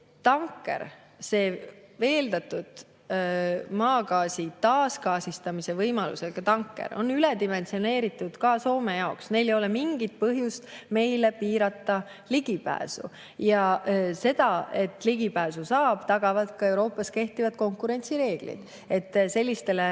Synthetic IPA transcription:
t̪ɑŋkːˑe̞̰ɾ | se̞ːve̞ːld̪̥ɑt̪ːˑud̪̥ | mɑːkɑːsit̪ɑːskɑːsist̪ɑmise̞vɤjmɑlṵselkɑt̪ɑŋkːˑe̞̰ɾʔo̞̰nːylɛd̪ime̞nsio̞ne̞ːɾit̪ˑːud̪̥kɑso̞ːme̞jɑo̞ksne̞jlejo̞lɛmiŋɡ̥it̪̚pɤɦjust̪me̞jle̞piːɾɑt̪ːˑɑ | liɡ̥ipæ̰ːsṵ | jɑse̞d̪̥ɑe̞t̪ːliɡipæːsusɑːb̥t̪ɑɡ̥ɑvɑd̪̥kɑe̞wɾo̞ːpːˑɑske̞ht̪ivɑd̪̥ko̞ŋkːˑuɾe̞nʲt̪siɾe̞ːɡ̥lḭd̪̥ | e̞t̪ːse̞lʲːist̪e̞le

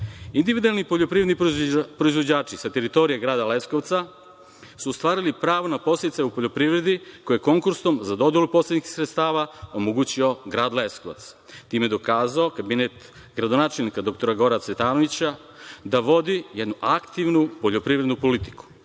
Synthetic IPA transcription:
ind̪iʋid̪ualnipoʎopɾived̪nipɾo̞izʋo̞d͡ʑaːt͡ʃisat̪e̞ɾit̪o̞ɾijeɡɾaːd̪aleskoʋt̪sa | suːst̪ʋaːɾilipɾaːʋonapo̞seit̪sajupo̞ʎo̞pɾiʋɾe̞d̪ikojeko̞ŋkuɾsomzad̪o̞d̪jelupo̞slet̪niksɾet̪st̪aːʋao̞moɡuːt͡ɕio̞ɡɾaːd̪leskoʋa̰t̪s | t̪iːmed̪o̞kaːzaokabinet̪ | ɡɾad̪o̞naːt͡ʃelnikad̪o̞k̚t̪o̞ɾaɡo̞ɾaset̪aːno̞ʋit͡ɕa | d̪aʋo̞d̪ijed̪nuʔakt̪iʋnupo̞ʎo̞pɾiːʋɾed̪nupo̞lit̪i̥ku̥

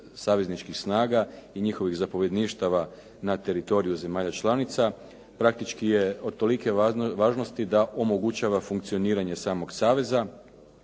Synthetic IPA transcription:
saːʋe̞znit͡ʃkixsnaːɡaiɲixo̞ʋiɣzapo̞ʋje̞d̪niːʃt̪aʋa | nat̪e̞ɾit̪o̞ɾijuze̞maːʎat͡ʃlˠanit̪sa | pɾak̚t̪it͡ʃkije̞od̪̚t̪o̞like̞ʋaːʒno̞st̪id̪aʔo̞mo̞ɡut͡ʃaʋafuŋkt̪sio̞niːɾaɲe̞saːmo̞ɡsaːʋe̞za

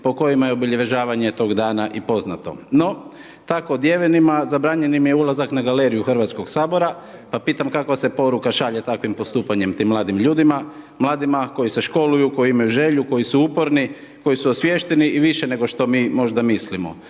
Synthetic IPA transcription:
po̞ko̞jimajeobiʎeʋe̞ʒaːʋaɲet̪o̞ːɡd̪aːnaʔipo̞zna̰t̪o̞̰no̞ | t̪ako̞d̪jeʋenimazabɾaːɲe̞nimje̞ulˠazaknaɡale̞ɾijuxr̩ʋat̪sko̞ɡsaːbo̞ɾa | papiːt̪amkakʋasepo̞ɾukaʃaʎe̞t̪akʋimpo̞st̪uːpaɲe̞mt̪imlˠaːd̪imʎuːd̪ima | mlˠaːd̪imako̞jise̞ʃko̞lujuko̞jiimajuʒe̞ʎuko̞jisuupo̞ɾni | ko̞jisuosʋje̞ʃt̪e̞niʔiʋiʃene̞ɡo̞ʃt̪o̞miːmo̞ʒd̪amislimo̰

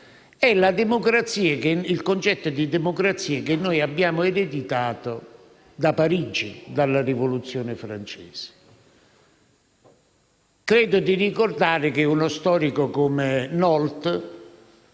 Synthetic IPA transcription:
ɛlad̪emokɾat̪sːiːakeilkont͡ʃɛt̪ːod̪id̪ɛmokɾat̪sːiːakɪnːojabːjaːmʊeɾed̪it̪aːt̪o | d̪apaɾid͡ʒḭd̪alːarivolut̪sːjɔːnɪfɾa̰nt͡ʃɛːz̥ɪ̥ | kɾɛːd̪ʊd̪irikord̪aːɾɪkɪunost̪ɔːɾikokomenɔlt̪

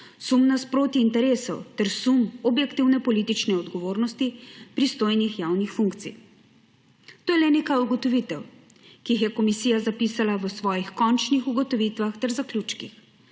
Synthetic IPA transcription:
sumnaspɾoːt̪iːnt̪ɛɾeːsɔwt̪ɛɾsumɔbjɛkt̪iwnɛpɔliːt̪it͡ʃnɛɔd̪ɡɔʋoːɾnɔst̪ipɾist̪oːjnixjaːwnixfuŋkt̪sḭ | t̪oːjɛlɛneːkajuɡɔt̪ɔʋit̪ɛw | kixjɛkɔmisiːjazapiːsalaʋəsʋɔːjixkɔnt͡ʃnixuɡɔt̪ɔʋit̪ʋaxt̪ɛɾzaklʲjuːt͡ʃkḭx

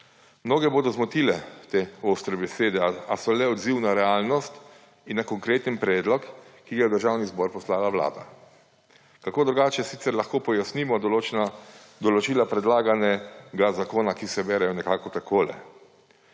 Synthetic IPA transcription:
mnoːɡɛboːd̪ɔzmɔt̪ilɛt̪eoːst̪ɾɛbɛseːd̪ɛaasɔlɛɔd̪ziwnaɾɛaːlnɔst̪ | inːakɔŋkɾeːt̪ənpɾɛːd̪lɔkːiɡajɛd̪əɾʒawnizbɔɾpɔslaːlaʋwla̰ːd̪a̰ | kakoːd̪ɾuɡaːt͡ʃɛsit̪sɛɾlaxkoːpɔjasnimɔ | d̪ɔlɔt͡ʃiːlapɾɛd̪laːɡanɛɡazakoːnakisɛbɛːɾɛjɔnɛkaːkɔt̪akoːlɛ̰

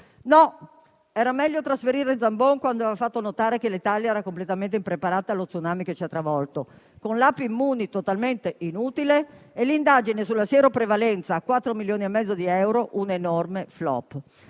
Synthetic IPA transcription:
nɔ | ɛːɾamɛʎːot̪ɾasfeɾiːɾeinzamboŋkwand̪oɛvafat̪ːonot̪aːɾekelit̪aljaɛːɾakomplet̪ament̪̬eimpɾepaɾaːt̪aːlːot̪sunaːmiket͡ʃɛat̪ːɾavɔlt̪o | konlapːiimːuːnit̪ot̪alment̪eʔinuːt̪ileːlind̪aːd͡ʒinesulːasjɛːɾopɾevalɛnt̪saːkːwat̪ːɾomiljoːniemːɛd̪zːod̪iɛwɾoʔunenormeflɔ̰pː

